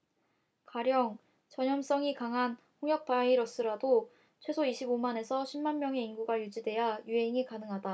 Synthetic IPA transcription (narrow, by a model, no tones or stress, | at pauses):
kaɾjʌŋ | t͡ɕʌɲʌms͈ʌŋikaŋɦan | ɸoŋjʌk̚p͈aiɾʌs͈ɯɾado | t͡ɕʰwe̞sʰoiɕʰibomane̞sʰʌɕʰimmanmjʌŋe̞inɡuɡajud͡ʑidwe̞jajuɦe̞ŋikanɯŋɦada